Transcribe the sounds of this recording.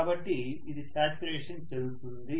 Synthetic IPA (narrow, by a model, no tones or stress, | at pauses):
aːbɐʈːiː | d̪ikaːt͡ʃuɾeːʂɐnt͡ʃɐd̪ut̪und̪i